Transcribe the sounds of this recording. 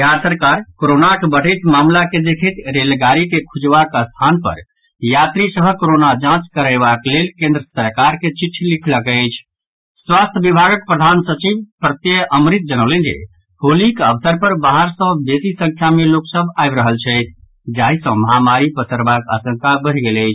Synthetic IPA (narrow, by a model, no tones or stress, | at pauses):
jaɾsəɾkaɾkoɾonakebəɽ̤əɪt̪mamlaked̪ekʰət̪ɾelɡaɾikekʰud͡ʒbakəst̪ʰanpə̰ɾ | jat̪ɾisəbʱəkoɾonad͡ʒãt͡ʃkəɾəɪβaklelkẽnd̪ɾəsəɾkaɾket͡ʃiʈʰːlikʰləkɛt͡ʃʰ | swast̪ʰəbibʱaɡək̚pɾəd̪ʱansət͡ʃibpɾət̪jeəmɾit̪̚d͡ʒənəʊlənd͡ʒḛ | holikəbsəɾpəɾbaɦəɾsə̃d̪esisə̃ŋkʰjameloksəbʱaɪbɾəɦəlt͡ʃʰɛɪt̪ʰ | d͡ʒaɦisə̃məɦamaɾipəsəɾbaka̰sə̃ŋkabəɾ̤iɡeləɪt͡ʃʰ